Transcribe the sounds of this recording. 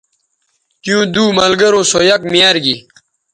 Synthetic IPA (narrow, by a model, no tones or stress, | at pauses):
t͡ɕjũːd̪uːmɐlɡɐɾõːsoːjɐk̚mijaːɾɡi